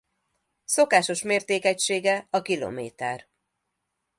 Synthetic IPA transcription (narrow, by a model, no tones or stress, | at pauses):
so̞kaːʃo̞ʃmeːrt̪eːkɛcʃeːɡɛɒkilo̰ːmḛːt̪ɛr